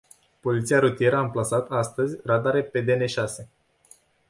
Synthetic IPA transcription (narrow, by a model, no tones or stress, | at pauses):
po̞lit̪siaɾut̪ije̞ɾəaɨmplasat̪ast̪əzʲrad̪aɾe̞pe̞d̪ene̞ʃase̞